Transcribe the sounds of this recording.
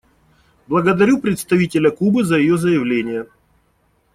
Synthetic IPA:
blˠəɡəd̪ɐɾʲupɾʲɪt̪st̪ɐvʲitʲɪlʲəkubɨzəjɪjozəjɪvlʲenʲɪjə

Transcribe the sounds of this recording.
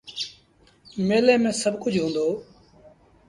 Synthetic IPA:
meːleːmẽːsəbʱkʊd͡ʒʱɦũːnd̪oː

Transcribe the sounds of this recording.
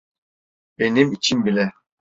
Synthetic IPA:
b̥enimit͡ʃʰinbilʲɛ

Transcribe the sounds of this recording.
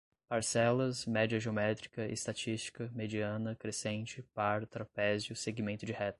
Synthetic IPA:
paɾsɛlɐzmɛd͡ʒiɐʒeomɛt̪ɾikɐʔḛst̪at͡ʃist͡ʃi̥kɐmed͡ʒiɐ̃nɐkɾesẽnt͡ʃɪpaɾt̪ɾapɛzɪʊseɡimẽnt̪ʊd͡ʒɪhɛt̪

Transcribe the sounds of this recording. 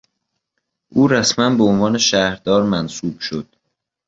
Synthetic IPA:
ʔuːɾæsmænbeonvɒːne̞ʃæːhɾd̪ɒːɾmænsuːb̥ʃod̪̥

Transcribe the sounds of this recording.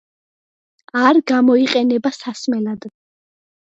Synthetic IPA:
aɾɡamɔiqʼɛnɛbasasmɛlad̪

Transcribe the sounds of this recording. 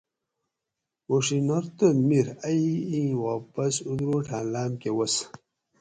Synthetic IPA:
woʂinɐɾt̪onmiɾɐiĩwaːpɐsud̪ɾoːʈʰaːnlaːmkewɐs

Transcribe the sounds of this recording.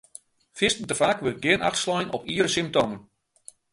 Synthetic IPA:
fɪstən̩təfakʋølt̚ɡɪəna̰xtslɔjənʔɔ̰piəɾəsimp̚toːmən

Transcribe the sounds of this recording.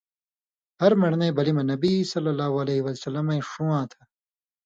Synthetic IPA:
hɐɾmɐɽneːbɐlimɐnɐbisɐlːɐlːaːɦuɐleɦiwɐsɐlːɐmɐĩʂuãːt̪ʰɐ̥

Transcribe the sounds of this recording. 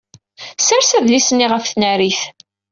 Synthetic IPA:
sæɾsæðlisənːiʁəfθnæɾiθ

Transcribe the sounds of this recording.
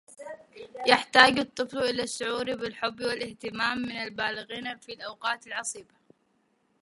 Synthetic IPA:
jaħt̪aːd͡ʒɨt̪ˤːɨflʔɪlaʃːʊʕuːɾbɪlħʊbːwɪlʔɪht̪ɪmaːmːɪnalbaːlɪɣiːnfilʔawqɑːt̪ɪlʕɑsˤiːba

